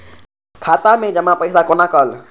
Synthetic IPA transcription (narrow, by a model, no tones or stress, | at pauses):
kʰaːt̪amẽd͡ʒəmãpəɪsakonakəl